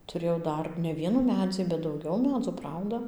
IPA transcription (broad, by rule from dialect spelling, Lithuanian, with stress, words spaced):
tʊˈrʲeːjɛʊ ˈdɐr nʲɛ ˈʋʲiɛnuː ˈmʲæːd͡zʲiː bʲɛt dɐʊˈɡʲɛʊ ˈmʲæːd͡zuː ˈprɐʊdɐ